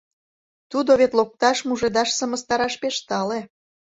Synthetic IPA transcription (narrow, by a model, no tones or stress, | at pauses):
t̪ud̪oβet̪lok̚t̪ɑʃmuʒed̪ɑʃsəmə̆st̪ɑɾɑʃpeʃt̪ɑle